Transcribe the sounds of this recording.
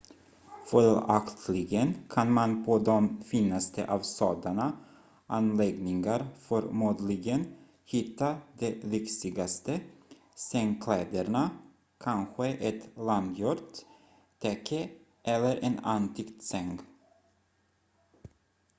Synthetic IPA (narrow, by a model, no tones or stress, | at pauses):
fœlakt̪ʰlɪɡənkʰanmanpʰɔd̪ɔmfiːnːast̪ə̰ʔɑvsɑːd̪aɳa | ʔanlɛɡnɪŋaɾfœɾmuːd̪lɪɡən | hɪt̪ːad̪ɛɾɪksɪɡast̪ə | sɛŋkʰlɛːd̪əɳa | kʰanɧəʔɛt̪land̪jɔɾt̪ | t̪ʰɛkʰːə | ʔɛlːəɾʔɛnant̪ʰɪkt̪sɛŋɡ